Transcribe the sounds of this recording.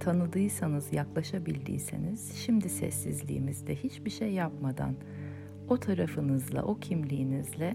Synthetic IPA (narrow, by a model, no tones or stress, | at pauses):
t̪ʰanɯd̪ɯjsanɯzjaklˠaʃabilʲd̪ḭːsḛniz̥ʃimd̪isɛ̰sːizlʲḭːmizd̪ɛhit͡ʃbiʃejːapmad̪a̰n | o̞t̪ʰaɾafɯnɯzlˠa̰ʔo̞cʰimlʲijːnizlʲɛ